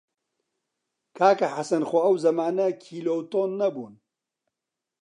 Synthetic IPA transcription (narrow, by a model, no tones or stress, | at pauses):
kʰaːkɐħasɐnxʷɐɐwzɐmaːnɐkʰiːloːwt̪oːnːɐbṵːn